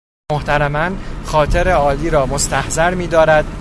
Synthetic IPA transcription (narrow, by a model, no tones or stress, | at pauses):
oht̪ʰæɾæmænxɒːt̪ʰe̞ɾeɒːliːɾɒːmost̪ʰæhzæɾmiːd̪ɒːɾæd̪̥̚